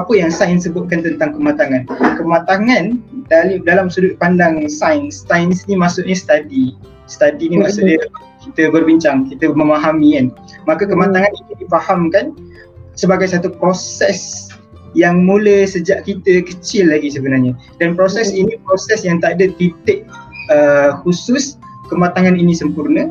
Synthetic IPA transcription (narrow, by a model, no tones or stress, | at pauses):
apəjaŋsajnsəbʊt̪̚kant̪ənt̪aŋkəmat̪aŋankəmãt̪aŋãndalidalamsudʊt̪̚pandaŋsajnst̪ajnsnimasʊʔɲast̪adi | st̪adinimãsʊʔɲa | kit̪əbərbiɲt͡ʃaŋkit̪əməmaɦamikan | makakəmat̪aŋanit̪udifahamkan | səbaɡajsat̪upɾosɛs | jaŋmuləsəd͡ʒaʔkit̪əkət͡ʃɪlːaɡisəbənarɲa | danpɾosɛsinipɾosɛsjaŋt̪aadət̪it̪eʔ̚əhusʊskəmat̪aŋaninisəmpurnə